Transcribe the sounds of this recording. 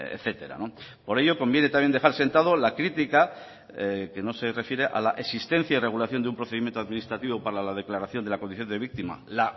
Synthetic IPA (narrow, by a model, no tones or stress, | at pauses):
ḛθe̞t̪e̞ɾa̰no̞ | po̞ɾe̞ʝo̞ko̞mbje̞net̪amjeneaɾse̞nt̪aðo̞lakɾit̪ika | ke̞no̞se̞re̞fje̞ɾe̞ʔa̰laʔesist̪e̞n̟θjaire̞ɣ̞ulaθjo̞nd̪eumpɾo̞θe̞imje̞nt̪oaðminist̪ɾat̪iβopaɾaalað̞e̞klaɾaθjo̞nd̪e̞lakoniθjo̞nd̪e̞β̞ik̚t̪ima̰la